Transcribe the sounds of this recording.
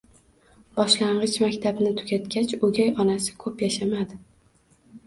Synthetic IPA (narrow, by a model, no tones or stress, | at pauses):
b̥ɒʃlaɴɢɨt͡ʃmakʲt̪ʰabnɪt̪ʰʊ̥ɡʲat̪kʲat͡ʃɵɡʲajɒnasɪ̥kʰɵpjaʃamad̪ɪ